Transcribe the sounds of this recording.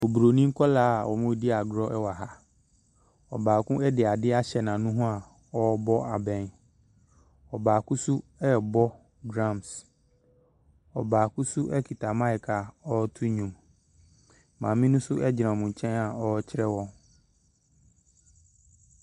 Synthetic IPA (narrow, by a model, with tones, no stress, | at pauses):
o˨bu˨ɾo˨nĩ˦ŋ̩˦kʰɔ˦laː˦˨wʔɔ˨mʊ̃˦di˦a˨ɡɾɔ˦ɛ˦wa˨ɦa˦ | ɔ̰˨baː˨kʊ̃˦ɛ˦dɪ˨a˨dɪ˦a˦ɕɛ˨nã˨nũ˦ɦũ˦a˨ | ɔ˦bɔ˦ʔa˨bɛ̃˨n | ɔ˨baː˨kũ˦su˦ɛ˦˨bɔ˦ | ɡɾã˦˨ms | ɔ˨baː˨kʊ̃˦su˦ʔɛ˦kʰi˨tʰa˨mã˦ɪ˨kʰa˨ɔ˦tʰu˦ɲũ˨m | mãː˨mĩ˦nʊ̃˦sʊ˦ʔɛ˦d͡ʑɪ˨nã˨mũ˨ɲ˨t͡ɕʰɛ̃˦na˨ɔ˦t͡ɕʰɪ˦ɾɛ˦wɔ̃˦n